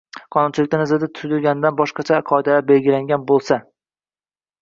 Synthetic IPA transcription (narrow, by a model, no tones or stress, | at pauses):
qʰɒnʊnt͡ʃʰɪlɪkʲnanɪzɪd̪at̪ʰʊ̥ʊd̪ɪɾɡʲanɪd̪anbɒʃqɑt͡ʃʰaqʰɒɪd̪alaɾbelɡʲɪlaŋɡʲanbolˠsa